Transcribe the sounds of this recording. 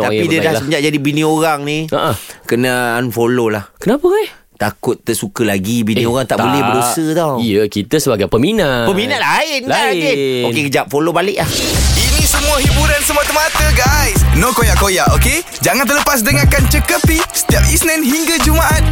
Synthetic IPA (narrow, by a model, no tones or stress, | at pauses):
apidiadahsəəɲd͡ʒaʔ̚d͡ʒadibinĩoɾaŋnĩəʔəkənaːnfololahkənapəa | t̪akʊt̪ːəsukəlaɡibinĩoɣaŋt̪aʔbolɛhədosət̪ɔwijəkit̪əsəbaɡajpəminapəmĩnaʔ̪laɪnaiokekəd͡ʒap̚folobalɪʔlahinĩsəmũaɦibuɾansəmuat̪əmat̪əɡajsnokojaʔkojaʔoke | d͡ʒaŋant̪ələpas̬dəŋakant͡ʃəkəpisə̥t̪iap̚isnɛnɦiŋɡad͡ʒumaʔat̪̚